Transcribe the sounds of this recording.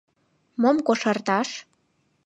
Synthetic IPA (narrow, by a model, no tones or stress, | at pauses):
momkoʃərt̪ɑʃ